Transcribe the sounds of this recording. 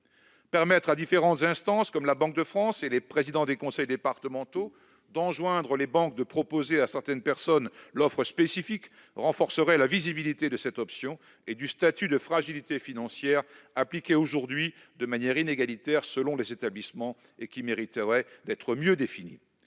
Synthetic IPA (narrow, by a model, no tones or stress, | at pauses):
pɛʁmɛt̪χad̪ifeʁɑ̃t̪zɛ̃st̪ɑ̃skɔmlabɑ̃k̚d̪əfχɑ̃selepχezid̪ɑ̃d̪ekɔ̃sɛjd̪epaʁt̪əmɑ̃t̪o | d̪ɑ̃ʒwɛ̃d̪ʁəlebɑ̃k̚d̪əpχɔpozeasɛʁt̪ɛnpɛʁsɔnlɔfχəspesifik | ʁɑ̃fɔʁsəʁɛlavizibilit̪ed̪əsɛt̪ɔpsjɔ̃ | ed̪yst̪at̪yd̪əfχaʒilit̪efinɑ̃sjɛʁaplikʲeoʒuʁd̪ɥi | d̪əmanjɛʁineɡalit̪ɛʁsəlɔ̃lezet̪ablismɑ̃ | ekʲimeʁit̪əʁɛd̪ɛt̪χəmjød̪efinḭ